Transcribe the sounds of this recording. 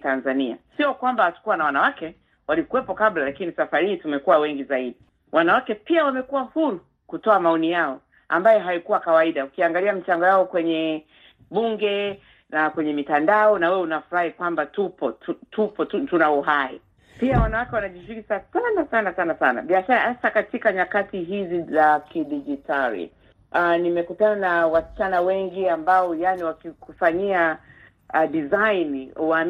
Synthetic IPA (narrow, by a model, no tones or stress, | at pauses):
tanzania̰siɔkwambahatu̥kuwanawanawakɛ | walikuwɛpɔkablalakinisafaɾiitumɛkuwawɛŋɡizaiɗi | wʔanawakɛpiawamɛkuwahuɾu | kutɔamaɔnijaɔ | a̰mbajɔɦaikuwakawaiɗaukiaŋɡaliam̩t͡ʃaŋɡɔjaɔkwɛɲɛ | ɓuŋɡɛ | nakwɛɲɛmitandaɔnawɛwɛunafuɾahikwambatupɔtutʰupɔtutunauɦaḭ | piawanawakɛwanaʄiziɾisasanasanasanasana̰ɓiaʃaɾahasakatikaɲakatiɦizizakiɗid͡ʒitʰaɾḭ | ʔanimɛkutananawast͡ʃanawɛŋɡiambaɔjaniwakikufaɲia | dizanwa